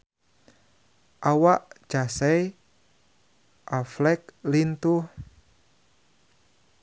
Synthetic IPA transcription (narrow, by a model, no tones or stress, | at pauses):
ʔawaʔd͡ʒ̥asɛj | ʔaflɛk̚lint̪uh